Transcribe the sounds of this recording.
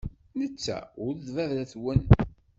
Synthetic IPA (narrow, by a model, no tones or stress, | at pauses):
nət͡sːæ̰ʊɾðvævɾæθwən